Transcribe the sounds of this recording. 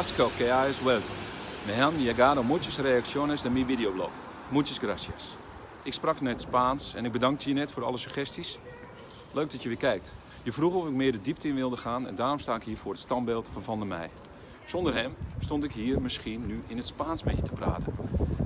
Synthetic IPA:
askokeaɛswɛltʰəmɛɦanjaɡaːdomutjəsreaksjonəsdɛmiʋidijoblo̰k | mutjəsɡrasjə̰s | ɪksprɑknɛtspaːnsɛnɪk̚bədɑŋk̚təjənɛtfoːɾɔ̰lˠəsyxɛstis | løːk̚dɔtjəʋɪːkɛjk̚t | jəfruxɔfɪk̚mɪədədiptɪnʋɪlˠdəxaːnɛ̰ndaːrɔmstaːɪkhiːəfoːrətstɑnbɪlˠtfɔnfɔndəmɛ̰j | sondərhɛmstontɪkhiːərmɪskiənːyɪnətspaːnsmɛtjətəpra̰ːtən

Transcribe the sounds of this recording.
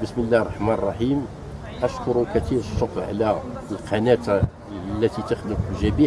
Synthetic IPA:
bəsməlːæhərˤːɑħmænrˤːɑħim | ʔæʃkʊɾukæt̪ihəʃːoqʕ̰læəlqʰɑnæt̪ | lːæt̪it̪əxləkəlʒæbi

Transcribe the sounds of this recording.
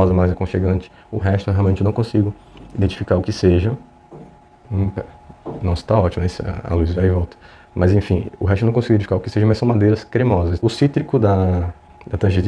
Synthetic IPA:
ɔzɐmajzɐkõʃeɡɐ̃nt͡ʃɪ̥ | ʊɦɛʃt̪ʊɛɦeawmẽt͡ʃɪewnɐ̃kõsiɡʊ | id̪ẽt͡ʃi̥fikaɾʊkɪseʒɐ | ũknɔ̃st̪aɔt͡ʃimɐɛisɐ̰luzvaivɔwt̪ɐ̥ | mɐzẽfĩʊ̰ɦɛʃt̪eñkõsiɡudẽt͡ʃfikaɾʊkɪ̥seʒɐ̃mɐjsɐ̃w̃mad̪ejɾɐskɾemɔzɐsʊsit̪ɾikʊd̪ɐ | d̪ɐt̪ɾɐ̃ʒe

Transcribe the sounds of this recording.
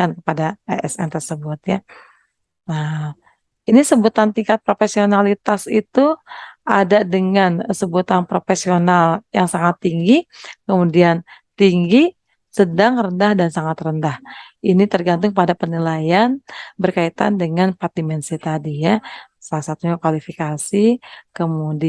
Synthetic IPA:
ankəpadaaʔɛ̰sɛ̰nt̪ərsəbut̪̚ja | a | inisəbut̪ant̪iŋkat̪̚pɾofesionalit̪asit̪uʔadadəŋansəbut̪anpɾofesionaljaŋsaŋat̪ːiŋɡikəmudiant̪iŋɡi | sədaŋrəndahdansaŋat̪rəndahinit̪ərɡant̪ʊŋpadapənilajanbərkait̪a̰ndəŋanpat̪imɛnsit̪adija | salasat̪uɲakwalifikasikəmudi

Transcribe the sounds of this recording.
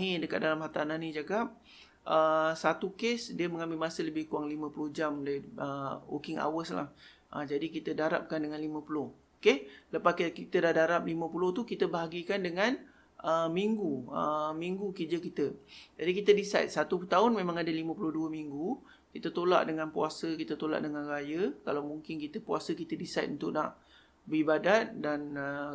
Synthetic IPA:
idəka̰t̪̚dalamɦat̪anahnĩd͡ʒaɡap̚ | ʔəsat̪ukesdiəmə̃ŋãmbɪlmasələbɪhkuaŋlimə̃pulʊhd͡ʒamdəwo̰kɪŋa̰wəsla̰hʔə̰d͡ʒadikit̪ədaɾa̰p̚kandəŋanlimə̃pulʊh | okeləpaskkit̪ədahdaɾap̚limə̃pulʊht̪ukit̪əbəɦaɡikandəŋãn | ʔəmiŋɡuəmiŋɡukəd͡ʒəkit̪əd͡ʒadikit̪ədisajt̪̚sat̪ut̪aʊnmẽmãŋadəlimə̃pulʊhduəmiŋɡu | kit̪ət̪ola̰ʔdəŋanpuasəkit̪ət̪ola̰ʔdəŋãnrajəkalawmuŋkɪnkit̪əpuasəkit̪ədisat̪unt̪ʊʔnaʔ | bəibadat̪̚danə

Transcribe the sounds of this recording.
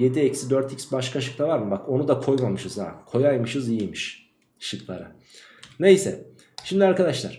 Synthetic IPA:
je̞d̪iɛcsid̪øɾt̪ʰicʲsbaʃkʰaʃɯ̥kt̪avaɾmɯbako̞nud̪akʰo̞jmamɯʃɯz̥a̰kʰo̞jajmɯʃɯzijijmiʃ | ʃɯklˠa̰ɾa | ne̞jsɛ̰ | ʃimd̪iaɾkad̪aʃlˠa̰ɾ̥

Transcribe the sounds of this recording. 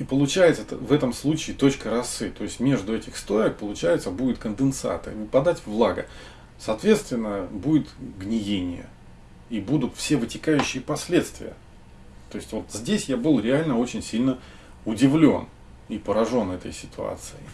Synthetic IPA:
ipəlˠʊt͡ɕæjɪt̪sət̪əvɛt̪əmslˠut͡ɕɪːt̪o̞t͡ɕkəɾɐsːɨt̪o̞ɪsʲtʲmʲe̞ʐd̪ʊɛtʲɪxst̪ojək̚pəlˠʊt͡ɕæjɪt̪səbudʲɪt̪̚kənd̪ɨnt̪sa̰t̪ɨ̰nʲɪpɐd̪atʲvlˠaɡə̰ | sɐːt̪vʲe̞t̪st̪vʲɪnːəbudʲɪt̪ɡnʲɪjenʲɪ̰jə̰ | ibud̪ʊt̪fsʲe̞vɨtʲɪkajʉɕːɪjəpɐsʲlʲe̞t̪st̪vʲɪ̰jə̰ | t̪o̞ɪsʲtʲvo̞t̪zʲdʲesʲjabɨlˠɾʲɪalʲnəo̞t͡ɕɪnʲsʲilʲnə | ʊdʲɪvlʲo̞̰n | ipəɾɐʐo̞nɛt̪ə̰jsʲɪ̥t̪ʊa̰t̪sɨɪ

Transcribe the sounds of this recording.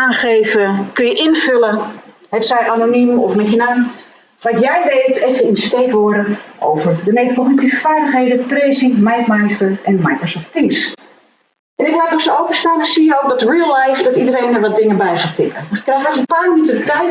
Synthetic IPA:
aːnχeːvəkønjəʔɪnfølə | ɦɛtsɛjʔanonimɔ̰fmɛxənan | ʋɔtjɛjʋeːtɛfəindəsteːkʋɔɾəʔo̰wvərdəmetəpɔxnik̚tivəfaːɹdəxheːdəpresimajkmajstəɹɛnmajkrosɔftims | ʔɛnɪklaːtɔsəowpəstaːnəsijəoːk̚dɔtriːlˠlajfdɔtidəɾejnəʋɔt̚dɪŋəbɛjzatɪkʰəkrɛjxdɔsənpaːmənytədətɛjt

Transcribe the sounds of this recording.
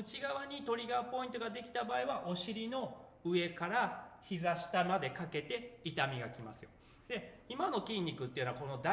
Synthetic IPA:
ɯ̟t͡ɕiɡaβaɲ̟it̪o̞ɾʲiɡaɯpo̞ĩnt̪o̞ɡad̪e̞kʲi̥t̪abaːiβaʔo̞ɕiɾʲino̞ɯ̟e̞kaɾaçizaɕi̥t̪amad̪e̞kake̞t̪e̞it̪amʲiɡa̰kʲimasɨjo̰ | d̪e̞imano̞kʲĩɲ̟ʲːikɯ̟t̪ːeiɯ̟noako̞no̞d̪a

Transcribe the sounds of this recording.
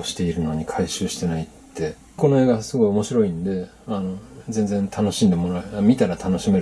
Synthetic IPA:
oɕi̥t̪e̞iɾɯ̟no̞ɲ̟ikʰaiɕɨːɕi̥t̪e̞naitt̪ːe̞ | ko̞no̞eːɡasɨɡo̞io̞mo̞ɕiɾo̞ĩnod̪e̞ | ano̞zẽ̞nd͡zẽnt̪ʰano̞ɕĩnd̪emo̞ɾamʲit̪aɾat̪ʰano̞ɕime̞

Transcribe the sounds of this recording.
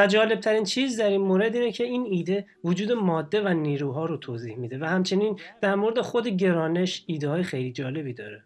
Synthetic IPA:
væd͡ʒɒːle̞b̚t̪ʰæɾiːnt͡ʃʰiːzd̪æɾiːnmoɾe̞d̪iːnecʰe̞iːniːd̪e̞ | vod͡ʒuːd̪e̞mɒːd̪ːe̞væniːɾuːɦɒːɾot̪ʰoːziːhmid̪e̞væhæmt͡ʃʰe̞niːnd̪̥æɾmo̞ɾed̪exo̞d̪e̞ɟe̞ɾɒːne̞ʃiːd̪ehɒːjexejliːd͡ʒɒːle̞biːd̪ɒːɾe

